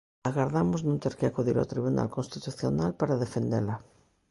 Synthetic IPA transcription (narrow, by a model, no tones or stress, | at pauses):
aɣaɾðamoznũnt̪eɾkeakuðiɾa̰t̪ɾiβuna̰lkonst̪it̪uθjonalpaɾaðefend̪ela